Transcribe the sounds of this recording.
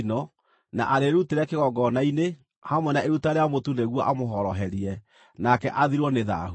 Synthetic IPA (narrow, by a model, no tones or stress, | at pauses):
nɔ | na̰ʔaɾeɾuteɾɛkeɣɔɡɔnaine | hamwɛnaeɾutaɾeamotuneɣwɔʔamoɦɔɾɔɦɛɾiɛ | nakɛʔaðiɾwɔneða̰u